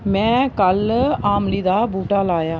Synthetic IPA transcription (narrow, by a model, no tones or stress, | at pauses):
mɛ̃ːkəlaːmliːd̪aːbuːʈaːlaːjaː